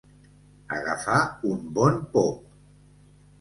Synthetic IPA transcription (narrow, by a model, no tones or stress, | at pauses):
a̰ɣa̰faumbɔnpɔp̚